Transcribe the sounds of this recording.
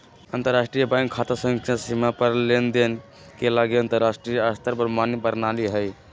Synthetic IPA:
ənt̪əɾːasʈɾijəbãŋkʰːat̪əsə̃ksasimapəɾlend̪en | kelaɡiənt̪əɾːasʈɾijast̪əɾbəɾmanibəɾnaliɦəj

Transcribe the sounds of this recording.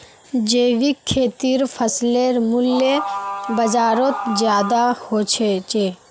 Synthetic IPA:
d͡ʒeːʋikʰːeːt̪iɾpʰəsleɾmʊljebəd͡ʒaːɾot̪zjaːd̪ahot͡ʃʰet͡ʃe

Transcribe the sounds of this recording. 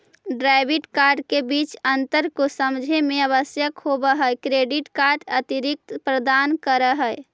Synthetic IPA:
ɖɾaɪbiʈkaɾɖkebit͡ʃənt̪əɾkosəmd͡ʒʱemeəβəsjəkhobəɦəekɾeɖiʈkaɾɖət̪iɾik̚t̪pɾəd̪ankəɾəɦəe

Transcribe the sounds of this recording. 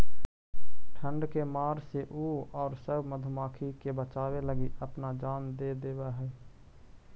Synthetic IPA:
ʈʰə̃ɳɖkemaːɾseʔuːɔːɾsəbməd̪ʱʊmaːkʰikebət͡ʃaːweləɡiəpnad͡ʒaːnd̪eːd̪eːbaɦɛː

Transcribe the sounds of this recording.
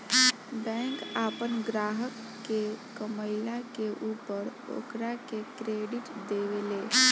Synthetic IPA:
bɛ̃kapənɡɾaɦəkːekəməjlakeʔupəɾo̰kɾakekɾeɖiʈd̪eʋele

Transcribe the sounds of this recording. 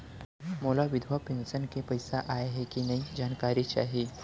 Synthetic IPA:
moːlaʋɪd̪ʱwapẽːnsənkepɐɪsaʔaːeɦɛkinɐĩd͡ʒaːnkaːɾit͡ʃa̰ːɦiː

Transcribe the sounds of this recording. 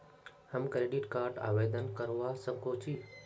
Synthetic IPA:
həmkɾeːɖɪʈkaːɾɖa̰ːʋeːd̪ənkəɾʋasə̃ŋkoːt͡ʃʰi

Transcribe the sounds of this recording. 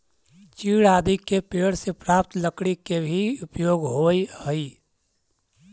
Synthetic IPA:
t͡ʃiːɽaːd̪ʱikepeɽsepɾaːp̚t̪ləkɽikebʱiʊpjoːɡɦojhəi

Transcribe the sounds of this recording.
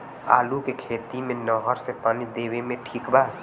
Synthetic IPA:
a̰ːlukekʰeːt̪imẽnɔːɦəɾsepaːnid̪eːwemẽʈʰiːkbaː

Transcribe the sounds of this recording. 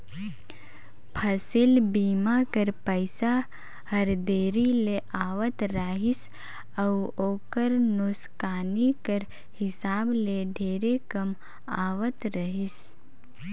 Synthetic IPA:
pʰɐsɪlbiːmakəɾpəɪsa | həɾd̪eːɾileʔaːʋət̪ɾaːɦɪs | əwoːkəɾnʊskaːnikəɾ | hɪsaːbleɖʱeːɾekɐm | aːʋət̪ɾəɦɪs

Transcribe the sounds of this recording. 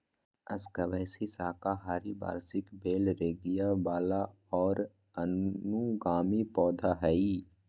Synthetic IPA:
ɐskɐbɛːsisaːkaɦaːɾiba̰ːɾsɪkbeːlɾeːɡijabaːla | ɔːɾ | ənuɡaːmipɔːd̪ʱaɦɛi

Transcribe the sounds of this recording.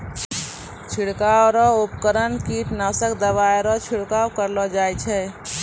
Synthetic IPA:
t͡ʃʰiɽkawɾɔupkəɾənkiʈnaːsəkd̪əbaeɾɔt͡ʃʰiɽkaːwkəɾlɔd͡ʒaːjt͡ʃʰɛ

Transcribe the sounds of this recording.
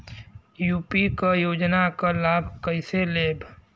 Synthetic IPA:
juːpikajoːd͡ʒnakalaːbʱkəɪseleːb

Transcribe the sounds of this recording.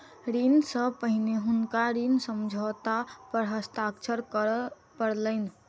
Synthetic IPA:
ɾinsəpəɦineɦunkaɾinsəmd͡ʒʱət̪apəɾɦəst̪akt͡ʃʰəɾkə | pəɽləɪn

